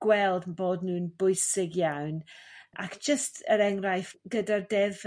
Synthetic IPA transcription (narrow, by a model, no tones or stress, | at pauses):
ɡ̥wɛlˠdn̩boːdnuːnbʊɨsɪɡjawnʔa̰kʰd̥ʒ̥əstʰəɾɛŋrajfɡ̥ədardɛv